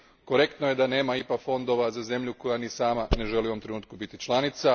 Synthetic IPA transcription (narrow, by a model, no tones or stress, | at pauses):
koɾe̞kt̪noje̞d̪ane̞ːmaipakfo̞nd̪o̞ʋazaze̞mʎuko̞janisaːmane̞ʒe̞liuomt̪ɾe̞nuːt̪̚kubit̪it͡ʃlˠanit̪sa